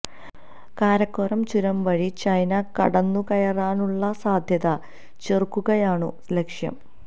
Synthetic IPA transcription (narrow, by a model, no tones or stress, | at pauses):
kaːɾɐkːoːrɐmt͡ɕuɾɐmʋɐɻit͡ɕɐjnɐkɐ̰ɽɐnːukɐjɐraːnuɭːɐsaːd̪ʱjɐðɐ | t͡ɕerkːuɣɐjaːɳɨ | lekʂjɐ̰m